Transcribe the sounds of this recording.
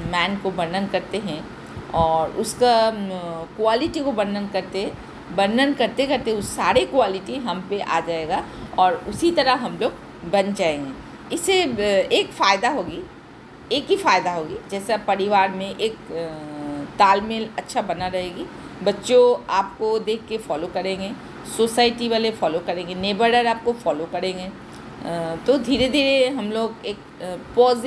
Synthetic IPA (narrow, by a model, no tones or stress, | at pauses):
mɛːnkobɐɾnənkɐɾt̪eɦɛ̃ | ɔːɾʊska | kʊwaːlɪʈikobɐnːənkɐɾt̪eɦɛ̃ | bɐɾənkɐɾt̪ekɐɾt̪eʊsːaːɾekʊwaːlɪʈiɦɐmpeʔa̰ːd͡ʒaːeɡaɔːɾʊsit̪ɐɾəɦɐmloːɡ | bɐnd͡ʒaːeɛ̃ | ɪseeːkfaːɪd̪aɦoːɡi | eːkɦifaːjd̪aɦoːɡid͡ʒɛːsapɐɾɪʋaːɾmẽʔeːk | t̪aːlmɪlɐtːʃʰabɐnaɾɐɦeːɡi | bɐtːʃoaːp̚kod̪eːkʰːefɔːlokɐɾẽːŋɡeː | soːsaːɪʈiʋaːlefɔːlokɐɾẽːŋɡeneːbəɖəɾaːp̚kofɔːlokɐɾẽːŋɡeː | t̪od̪ʱiːɾed̪ʱiːɾeɦɐmloːɡeːk̚ | pɔːz